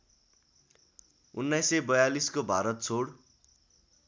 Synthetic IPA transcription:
unːajsebʌjaliskobʱa̰ɾʌt̪̚t͡sʰoɽ

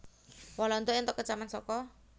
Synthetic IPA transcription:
walɔnt̪ɔʔɪnt̪ɔkːət͡ʃamansɔkɔ

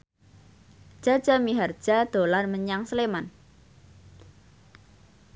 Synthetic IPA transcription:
ʒ̥ad̥d͡ʒ̥amiɦard̥ʒ̥a̤d̪̥o̤lanməɲaŋsəleman

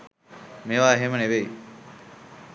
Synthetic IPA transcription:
meʋaːeɦeməneʋei

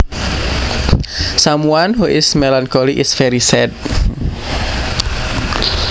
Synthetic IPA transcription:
samuanɦuʔɪsmelankoliʔɪsfɛɾisɛt̪̚

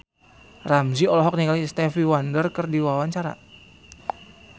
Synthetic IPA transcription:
ramziɔlɔɦɔk̚nikalist̪ɛfiwandərkərdiwawaɲt͡ʃaɾa̰

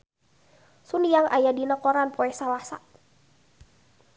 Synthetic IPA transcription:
sunijaŋʔa̰jadinakɔɾanpɔɛsawasa̰ʔ

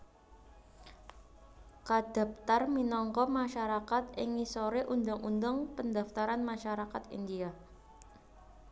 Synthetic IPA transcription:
kad̪̥a̤p̚t̪arminɔŋkɔmaʃaɾakat̪ɪŋisoɾeʔund̪ʊŋund̪əŋpənd̪a̤ft̪aɾanmaʃaɾakat̪ḭnd̪ia

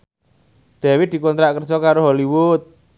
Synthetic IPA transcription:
ɖ̪̥ɛ̤wid̪̥i̤kɔnt̪ɾaʔkərsɔkaɾoɦoliwʊt̪̚

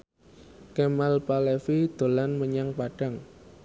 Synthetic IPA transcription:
kemalpalefid̪̥o̤lanməɲaŋpaɖ̥a̤ŋ

